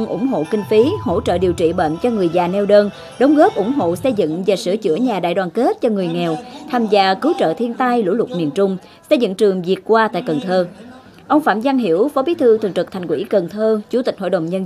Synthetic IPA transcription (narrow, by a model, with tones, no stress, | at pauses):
ŋ͡mʔʊ̰˧˩ŋ͡mɦo̰˧˨kï˧ŋ̟fi˨˦ho̰˧˥t͡ɕə̰ː˧˨ɗi˨˩əwt͡ɕḭ˧˨ɓə̰ː˧˨nt͡ɕɔ˧ŋɨ˨˩əjzaː˨˩nɛ˧wɗəː˧n | ɗə˨˦wŋ͡mɣɔ˦˥p̚ʔʊ˧˩ŋ͡mɦo̰˧˨sə˧jzɨ̰˧˨ŋvaː˨˩sɨ̰˧˩ət͡ɕɨ̰˧˩əɲaː˨˩ɗa̰ː˧˨jɗwaː˨˩nke˦˥t̚t͡ɕɔ˧ŋɨ˨˩əjŋɛ˨˩wt̪ʰaː˧mzaː˧kɨ˨˦wt͡ɕə̰ː˧˨t̪ʰi˧ənt̪a˧jlṵ˧˥lʊ˨˩t̚mi˨˩ənt͡ɕʊ˧ŋ͡m | sə˧jzɨ̰˧˨ŋt͡ɕɨ˨˩əŋzi˨˩ət̚kwaː˧t̪a̰ː˧˨jkə˨˩nt̪ʰəː˧ | ʔə˧wŋ͡mfaː˧˩mza˧ŋɦi˧˩əwfɔ˨˦ɓi˨˦t̪ʰɨ˧t̪ʰɨ˨˩ŋtɨ˨˩k̚t̪ʰa˨˩jŋkwḭ˧˩kə˨˩nt̪ʰəː˧t͡ɕu˧˩t̪ï˨˩k̟̚ho̰˧˨ɗə˨˩wŋ͡mɲə˧